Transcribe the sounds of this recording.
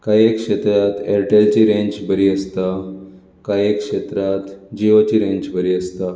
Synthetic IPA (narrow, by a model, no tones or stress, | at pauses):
kajekʂet̪ɾat̪eɾʈelt͡ɕiɾẽɲd͡ʑbʱəɾiːəst̪a | kajekʂet̪ɾat̪d͡ʑiot͡ɕiɾẽɲd͡ʑbʱəɾiːəst̪a